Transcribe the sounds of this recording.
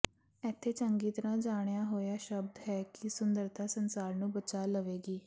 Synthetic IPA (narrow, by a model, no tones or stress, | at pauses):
ɛːt̪ʰːeːt͡ʃəŋɡiːt̪əɾãːd͡ʒaːɽ̃jaːɦoːjaːʃəbd̪ɦɛːkɪsʊnd̪əɾt̪ʰaːsənsaːɾnũːbət͡ʃaːləʋeːɡiː